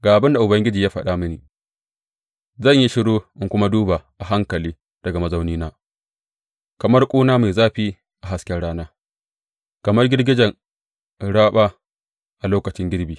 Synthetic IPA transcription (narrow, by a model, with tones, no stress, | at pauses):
ɡaː˨ʔa˨bɪ˦nda˨ʔʊ˨bɐ˦ŋɡʲɪ˦d͡ʒiː˨jaː˦ɸɐ˨ɗaː˦mʊ˦niː˨ | zɐ˦˨ɲji˦ʃɪ˦ɽoː˦ʔɪ˦ŋkʷʊ˦ma˦duː˦ba˨ʔa˨ɦa˦ŋkɐ˨liː˦ | d̥ɐ˨ɡa˨mɐ˦za˦wniː˦naː˦ | kɐ˨mɐ˦rkʷʼoː˦naː˦ma˨jzaː˦ɸiː˦ | ʔa˨a˨skʲɛ˦ɽaː˦naː˦ | kɐ˨mɐ˦rɡʲɪ˦rɡʲɪ˦d͡ʒɛ˨ŋ | ɽaː˦ɓaː˦ | ʔa˨loː˦kɐ˨t͡ʃɪ˦ŋɡʲɪ˦ɽbiː˨